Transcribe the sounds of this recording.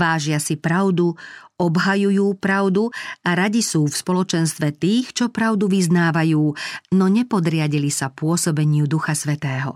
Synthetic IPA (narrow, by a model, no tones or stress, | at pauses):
aːʒɪasipɾaʊd̪uɔbɦajujuːpɾaʊd̪uaɾaɟisuːfspɔlɔt͡ʃɛnst̪ʋɛt̪iːxt͡ʃɔpɾaʊd̪uʋiznaːʋajuːnɔɲɛpɔd̪ɾɪaɟilisapʊɔsɔbɛɲɪud̪uxasʋɛt̪ɛːɦɔ̰